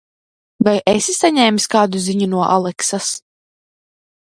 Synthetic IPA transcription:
vajʔɛsisaɲɛːmsʲkaːd̪uziɲunuɔʔalˠɛksas

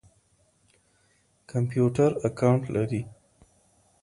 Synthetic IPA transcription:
kʰampjuʈaɾakawɳʈlʔaɾi

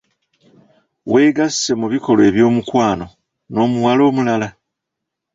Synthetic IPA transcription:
we̞ːɡasse̞muβiko̞lwe̞βjo̞ːmukwaːno̞ | no̞ːmuwalo̞ːmulala

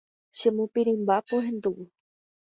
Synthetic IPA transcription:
ʃemõpiɾĩmbapoɦẽnd̪uʋu

